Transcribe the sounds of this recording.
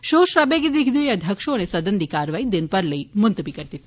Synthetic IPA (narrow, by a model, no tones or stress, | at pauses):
ʃoʃɾabeɡid̪ikʰd̪ueəd̪ʱəkʃonesəd̪ənd̪ikaɾʋaid̪ɪnpəɾləimʊnt̪bikəɾt̪it̪